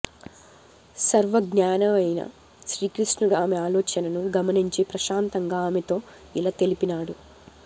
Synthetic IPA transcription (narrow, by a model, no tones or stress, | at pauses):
sɐɾʋɐɡnjaːnɐmɐjnɐ̰ | ʃɾiːkɾisnuɽuaːmeaːlɔːt͡ʃɐnɐnuɡɐmɐniɲt͡ʃeːpɾɐʃaːnt̪ɐŋɡaːaːmet̪o̞ː | ilat̪e̞lipinaːɽu